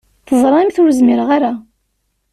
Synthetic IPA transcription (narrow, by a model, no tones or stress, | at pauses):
θəðˤɾˤɑimθʊɾəzmɪɾəʁaɾa